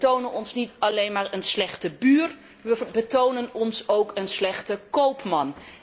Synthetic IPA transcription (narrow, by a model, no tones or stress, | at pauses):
townənɔnsnitɑlejnmaːɹənslɛχtəbyːr | ʋəbətownənɔnsowkənslɛχtəkowpmɑn